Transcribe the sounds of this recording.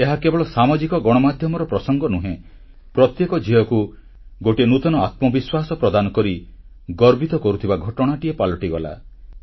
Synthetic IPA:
eɦakebɔɭɔsamɔd͡ʒikɔɡɔɽ̃ɔmad̪ʱjɔmɔɾɔpɾɔsɔŋɡɔnuɦẽ | pɾɔt̪jekɔd͡ʒiɔku | ɡoʈinut̪ɔnɔat̪̚mɔbiswasɔpɾɔd̪anɔkɔɾi | ɡɔɾbʱit̪ɔkɔɾut̪ʰibaɡʱɔʈɔɽ̃aʈiepalɔʈiɡɔla̰

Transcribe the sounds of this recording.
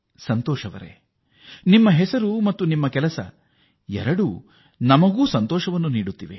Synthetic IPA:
sɐnt̪ɔːʃɐʋɐ̰ɾḛ | nimːɐɦɛsɐɾumɐt̪ːunimːɐkɛlɐsɐ̰ | ɛ̰ɾɐɽu | nɐmɐɡuːsɐnt̪ɔːʃɐʋɐnːuniːɽut̪ːiʋḛ

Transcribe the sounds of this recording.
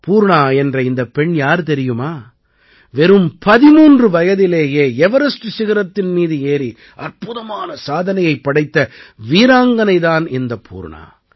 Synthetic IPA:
puːɾɳaːɛndrɐɪnd̪ɐpːɛɳjaːɾt̪ɛɾɪjɯmaː | ʋɛɾɯmpɐðɪmuːndrɯʋɐjɐðɪleːjeːɛʋɐɾɐsʈɯsɪɣɪɾɐt̪ːɪnmiːðɯeːɾi | ɐrpʊðɐmaːnɐsaːðɐnɐjɐɪpːɐɽɐɪt̪ːɐʋiːɾaːŋɡɐnɐɪðaːnɪnd̪ɐpʰṵːɾɳa̰ː

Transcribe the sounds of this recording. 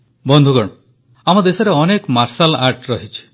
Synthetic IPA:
bɔnd̪ʱukɔɽ̃ɔ | amɔd̪esɔɾeɔnekmaɾsalaɾʈɾɔɦit͡ʃʰi̥

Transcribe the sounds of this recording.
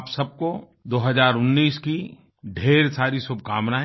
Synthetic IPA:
psɐb̚ko | d̪oːɦɐzaːɾʊnːiːski | ɖʱeːɾsaːɾisʊb̚ʱkaːmnaɦ

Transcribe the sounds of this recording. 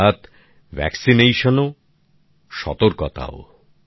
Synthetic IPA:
at̪ | vʱɛ̰ksinejʃono | ʃɔ̰t̪oɾkɔt̪a̰o̰

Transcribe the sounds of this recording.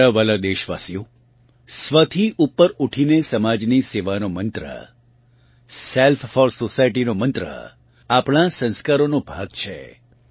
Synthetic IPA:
əʋəlad̪eʃʋa̰sijo | sʋət̪ʰiʔupːəɾuʈʰinesəmad͡ʒniseʋanomənt̪ɾə̰ | selffɔɾsosajʈinomənt̪ɾə̰ | apɳasə̃nskaɾonõbʱaɡt͡ʃʰḛ

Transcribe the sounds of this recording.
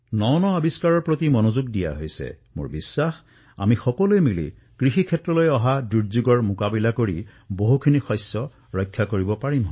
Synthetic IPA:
nɔnɔabiskaɹɔɹpɹot̪imɔnozuɡ̚dija̰ɦojsɛ̰mʊ̰ɹbisːax | a̰mixɔkɔluejmilḭ | kɹixikʰɛtːɹɔlojɔɦaduɹzuɡɔɹmʊkabilakoɹi | boɦukʰinixɔsjɔ | ɹɔjkʰːakoɹibɔpaɹim

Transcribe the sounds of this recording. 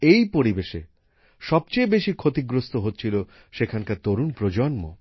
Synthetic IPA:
ejpoɾibeʃḛ | ʃɔb̚t͡ɕejbeʃikʰot̪iɡɾost̪oɦotːt͡ɕʰilo | ʃekʰankaɾt̪oɾunpɾod͡ʑonmo̰

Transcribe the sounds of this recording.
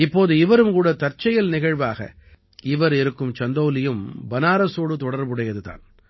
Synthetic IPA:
ɪpːoːðɯɪʋɐɾɯmkuːɽɐt̪ɐɾt͡ʃːɐjɐlnɪɣɐɻʋaːɣɐ̰ | ɪʋɐɾɪɾɯkːɯmt͡ʃɐnd̪ɐːlɪjɯmbɐnaːɾɐsoːɽɯt̪ɔɽɐɾʋɯɽɐjɐðɯða̰ːn

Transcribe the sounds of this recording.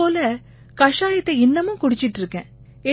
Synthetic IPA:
oːlɐ | kɐʂaːjɐt̪ːɐɪnːɐmʊ̃kʊɽɪt͡ʃːɪʈːɯɾɯkːẽː | ɛ

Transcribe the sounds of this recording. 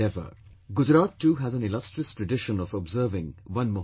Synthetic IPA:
ɛvə̰ɡʊd͡ʒɾaːtːuːɦæzæ̃nɪlʌstɹiəstɹɨɖɪʃə̃nɔvɔbzəɾvɪ̃ŋwʌ̃nmo

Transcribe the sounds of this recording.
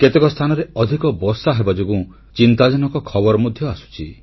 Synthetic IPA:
ket̪ekɔst̪ʰanɔɾeɔd̪ʱikɔbɔsaɦebad͡ʒoɡũ | t͡ʃint̪ad͡ʒɔnɔkɔkʰɔbɔɾɔmɔd̪ʱjɔasu̥t͡ʃʰi

